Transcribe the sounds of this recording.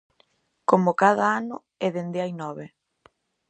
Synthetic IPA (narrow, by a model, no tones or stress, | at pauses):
komokaðɐanʊ | ɛðend̪eajnɔβe